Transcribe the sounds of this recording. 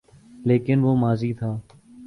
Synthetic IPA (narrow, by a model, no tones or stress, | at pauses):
leːkɪnʋoːmaːziːt̪ʰaː